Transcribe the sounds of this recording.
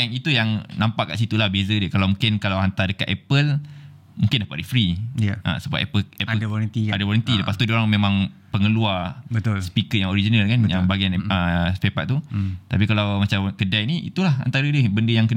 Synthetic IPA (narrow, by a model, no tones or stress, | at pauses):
aŋit̪ujaŋnãmpaʔkaʔsit̪ulahbezədəkalawmũŋkɪnkalawɦant̪adəkaʔɛpəl | mũŋkɪndapaʔdifɾiʔə̰səba̰ʔɛ̰pəlɛpədɾənt̪iadawɔɾənt̪iləpast̪udioɾaŋmẽmãŋpəŋəluabət̪lsə̥pikət̪jãŋoɾid͡ʒinalkanjaŋbaɡianəspepa̰ʔt̪ut̪ap̬ikalawmat͡ʃamkədajniḭt̪ulaha̰nt̪aɾədəbəndəjaŋkən